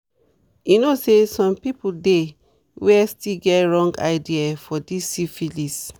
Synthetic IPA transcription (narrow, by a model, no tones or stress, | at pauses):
junosesɔ̃mpipulde | wɛstiɡɛtɹɔ̃ŋɡa̰ɪdiafɔdisːifilis